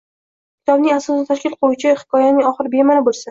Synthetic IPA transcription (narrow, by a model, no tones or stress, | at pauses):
kʲɪ̥t̪ʰɒbnɪŋasɒsɪt̪ʰaʃkʲɪlqʰoʊt͡ʃʰɪhɪ̥kʰɒjanɪŋɒχɨɾɪbe̞malɪbolˠsa